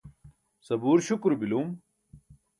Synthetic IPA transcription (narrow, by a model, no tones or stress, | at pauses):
sɐbuːɾɕukɾbiluːm